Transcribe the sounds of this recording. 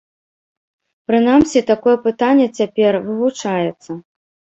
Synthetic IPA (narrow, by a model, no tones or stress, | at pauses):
pɾɨn̪amsʲit̪akɔjɛpɨt̪anʲːɛt͡sʲapʲɛrvɨvut͡ʂajɛt̪sːɐ